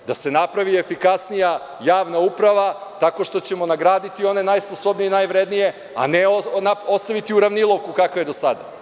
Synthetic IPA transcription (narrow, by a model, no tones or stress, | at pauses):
d̪ase̞napɾaʋie̞fikasnija | jaːʋnaupɾaʋat̪ako̞ʃt̪o̞t͡ɕe̞mo̞naɡɾaːd̪it̪io̞ne̞najspo̞so̞bnijenajʋɾed̪nije̞ | a̰neonao̞st̪aʋit̪iuɾaʋnilˠo̞ʋkukakaje̞d̪o̞sad̪a̰